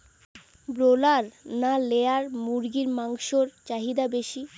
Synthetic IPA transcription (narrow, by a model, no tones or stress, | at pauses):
bɾolaɾnaleaɾmuɾɡiɾmaŋʃoɾt͡ɕaɦid̪abeʃi